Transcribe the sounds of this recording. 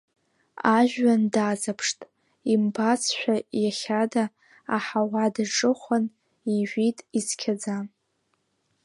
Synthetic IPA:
aʒᶣːandazapʰʂtʼ | imbat͡sʰʃʷᶣajaχʲadaː | ħawadaʈ͡ʂʼɨχʷan | iʒʷᶣitʼizkʲʰad͡za

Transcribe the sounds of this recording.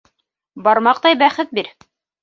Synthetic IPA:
bɑɾmɑqt̪ɑjbæχɘt̪̚biɾ

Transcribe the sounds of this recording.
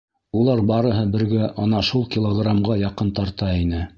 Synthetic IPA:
ulˠɑɾbɑɾɤ̆ɦɤbɘ̆ɾɡæʔɑnɑʃulˠkʲilˠoɡramʁɑjɑqɤnt̪ɑɾt̪ɑinɘ

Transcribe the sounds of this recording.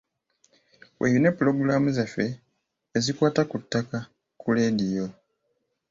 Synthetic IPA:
wʔḛjine̞pːulo̞ɡuɾaːmuzefeː | zikwaːtakutːaka | kʰuledijo

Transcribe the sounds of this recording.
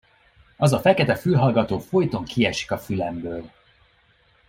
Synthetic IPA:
ɒzɒfɛkɛt̪ɛfylɦɒlɡɒt̪oːfo̞jt̪o̞ŋkiɛʃi̥kɒfylɛmbøːl

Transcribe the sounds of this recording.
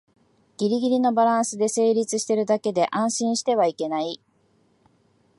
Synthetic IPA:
ɡ̥ʲiɾʲiɡʲiɾʲino̞baɾãɰ̃sɨd̪e̞se̞ːɾʲit͡sɨɕi̥t̪e̞ɾɯ̟d̪ake̞d̪e̞ʔãɰ̃ɕĩɰ̃ɕi̥t̪e̞β̞aike̞nai

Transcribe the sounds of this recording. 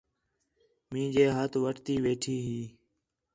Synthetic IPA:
mĩːd͡ʒeːɦət̪ʋəʈt̪iːʋeːʈʰiːɦiː

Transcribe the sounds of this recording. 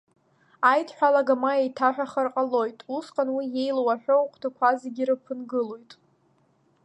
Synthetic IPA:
ajtʰħʷᶣalaɡamaejtʰaħʷᶣaχarqʼalo̞jtʼusqʼanwije̞jlwaħᶣʷowqʷʰtʰakʷʰazeɡʲiɾɨpʰɨnɡɨlo̞jtʼ

